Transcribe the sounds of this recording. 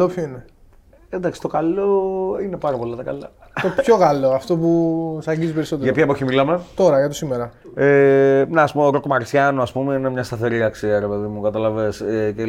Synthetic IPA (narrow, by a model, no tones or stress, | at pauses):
opçoine | end̪ɐksi̥t̪o̞kɐloinepɐɾɐpo̞lɐt̪ɐkɐlɐ | t̪opçoɣɐloɐft̪o̞pusɐɲɟizipe̞ɾiso̞t̪eɣɐpçɐpoçimilɐme̞t̪o̞ɾɐʝɐt̪osimeɾɐ | emnːspumeoɾokmɐɾsçɐnoɐspumeine̞mɲɐst̪ɐθe̞ɾiɐksiɐɾe̞pe̞ðimukɐt̪ɐlɐvesece